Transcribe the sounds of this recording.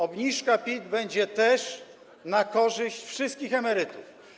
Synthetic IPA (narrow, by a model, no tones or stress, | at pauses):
ɔbɲiʂkapʲid̪bɛɲd͡ʑɛt̪ɛʂ | nakɔʐɘɕt͡ɕfʂɘst̪̚kʲixɛmɛɾɘt̪uf